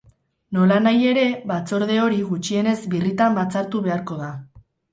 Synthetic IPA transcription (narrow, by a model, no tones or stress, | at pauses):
no̞lanaje̞ɾe̞βat͡so̞ɾðe̞o̞ɾiɣut͡ʃie̞ne̞zbirit̪ambat͡saɾt̪uβe̞aɾko̞ða